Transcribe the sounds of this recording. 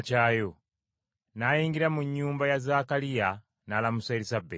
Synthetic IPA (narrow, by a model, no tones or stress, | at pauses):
t͡ʃaːjo | najiːŋɡiɾamuɲːuːmbajazakalija | naːlamusaeɾisabe